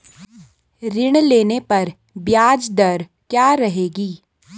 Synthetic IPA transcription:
ɾɪɽ̃leːnepɐɾ | bjaːd͡ʒd̪ɐɾ | kjaːɾɐɦeːɡiː

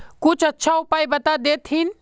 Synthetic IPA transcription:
kut͡ʃʰətːʃʰaupajbət̪ad̪et̪ʰɦin

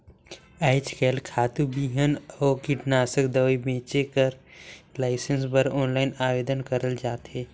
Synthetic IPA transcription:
ɛːɪt͡ʃkɛːlkʰaːt̪ubiːɦənɔːkɪʈnaːsəkd̪əʋibẽːt͡ʃekəɾlaːɪsənsbəɾɔːnlaːɪnaːʋeːd̪ənkəɾəld͡ʒaːt̪ɦeː

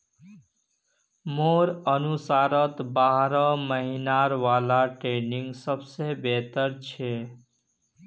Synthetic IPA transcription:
moɾənusaɾət̪baɦɾəməɦinaɾʋalaʈɾeniŋɡsəbsebet̪əɾt͡ʃʰe

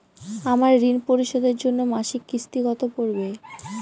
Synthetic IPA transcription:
amaɾːinpoɾiʃod̪eɾd͡ʑonːomaʃikːɾist̪iɡɔt̪opoɾbe

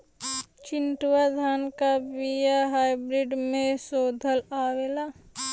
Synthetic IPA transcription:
t͡ʃɪnʈwad̪ʱaːnkabijaɦaːjbɾiɖmẽsoːd̪ʱəlaːʋeːlaː

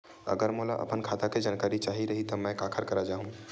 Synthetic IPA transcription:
ə̰ɡəɾmolaʔə̰pənkʰat̪aked͡ʒankaːɾit͡ʃaɦiɾəɦit̪ɔmɛ̃kakʰəɾkəɾad͡ʒaːɦũ

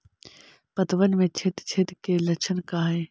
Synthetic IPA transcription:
pət̪ʋənmẽt͡ʃʰet̪t͡ʃʰet̪kelɐt͡ʃʰənkaɦɛː

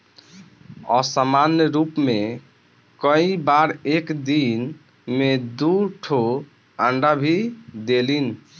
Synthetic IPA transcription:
ɔ̰samanjəɾupme | kə̃ĩbaɾekd̪in | med̪uʈʰo | əɳɖabʱid̪elin

